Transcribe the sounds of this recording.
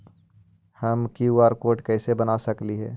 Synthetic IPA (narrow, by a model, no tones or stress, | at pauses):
həmkiwaːɾkoːʈkɛːsebənasɐkliɦɛ̰ː